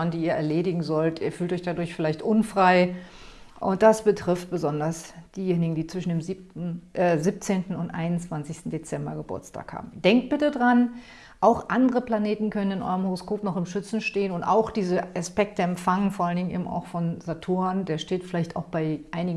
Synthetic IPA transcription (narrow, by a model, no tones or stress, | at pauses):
ndiːiːɐɛɐleːdɪɡŋ̩zɔltʔiːɐfyːltɔçd̥adʊɐçfɪlaɪçtʔʊnfʁ̥aɪ | ʔʊ̰nt̚d̥asb̥ətʁ̥ɪft̚b̥əzɔndɐsd̥iːjeːnɪɡŋ̩diːt͡sv̥ɪʃn̩deːmzi | zip̚t͡seːntn̩ʊntʔa̰ɪnʊnt͡sv̥ant͡sɪçstn̩det͡sɛmbɐ̰ɡəbʊ̰ɐt͡stʰa̰ːkha̰ːbm̩dɛŋk̚t̚b̥ɪtədʁan | ʔaʊxʔandəʁəpl̥aneːtn̩kʰœnənɪnʔɔ̰ʏʁəmhoʁoskoːpnɔχɪmʃʏt͡sn̩ʃteːənʊntʔa̰ʊxd̥iːzəʔaspɛk̚təɛmfaŋnfoɐʔalndɪŋnḛːbm̩a̰ʊxfɔnzatʰuːndeːɐʃteːtfɪlaɪçtaʊxb̥aɪʔaɪnɪɡ